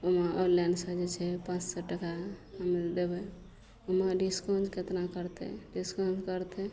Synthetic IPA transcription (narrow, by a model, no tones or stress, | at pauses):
omaəlɛnɖsəd͡ʒet͡ʃʰɛpãt͡ʃsɔʈəkaamild̪ebɛ | oməɖiskɔnd͡ʒket̪nakəɾt̪ɛ̰ɖiskõnd͡ʒkəɾt̪ɛ